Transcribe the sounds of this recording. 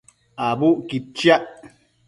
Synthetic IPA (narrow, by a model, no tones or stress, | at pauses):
abuʔkit͡ʃjaʔ